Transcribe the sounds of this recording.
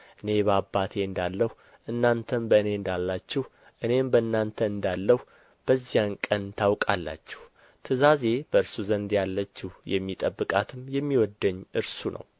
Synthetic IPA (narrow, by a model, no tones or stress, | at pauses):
ʔɨne̞bəabːat̪ʰe̞ɨnd̪alːəhu | ʔɨnːant̪ʰəmbəɨne̞ɨnd̪alːat͡ʃːɛh | ʔɨne̞mbəɨnːant̪ʰəɨnd̪alːəhu | b̥əzːijankʼənt̪ʰawkʼalːa̰t͡ʃːɛ̥h | t̪ʰɨzaze̞b̥əɨɾsuzənd̪jalːət͡ʃːɛhjɛ̰mːit̪ʼəbːɨkʼat̪ʰɨmjɛmːiwɔd̪ːəɲːʔɨɾsunʔə̰w